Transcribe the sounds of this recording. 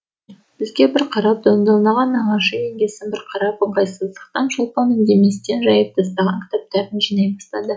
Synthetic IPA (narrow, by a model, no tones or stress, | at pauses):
b̥ɪzɡʲe̞bɪɾqʰɑɾɑp̚d̪ɑnd̪ɑlˠnɑʁɑnɑɴɑʃɑjeŋɡʲe̞sɪnbɪɾqʰɑɾɑpəɴqɑjsəzd̪əq̚t̪ɑnʃolˠpɑnɪnd̪e̞me̞st̪e̞nʒɑjəp̚d̪ɑst̪ɑʁɑŋkʲɪ̥t̪ɑp̚t̪ɑɾənʒijnɑjbɑst̪ɑd̪ə